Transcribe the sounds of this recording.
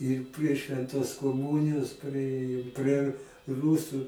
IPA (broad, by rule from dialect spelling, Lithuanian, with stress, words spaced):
ɪr pʲrʲiɛ ʃʲʋʲɛnˈtoːs koːˈmuːnʲɪjoːs pʲrʲɪˈeːjoːm pʲrʲiɛ r ˈruːsʊ